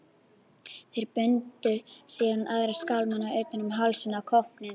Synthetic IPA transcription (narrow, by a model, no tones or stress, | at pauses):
θejɾpʏnt̪ʏsiːðanaðɾɛskawlmanːaœɥjt̪ɪnʏmɦalsɪnakʰɔhpnɪn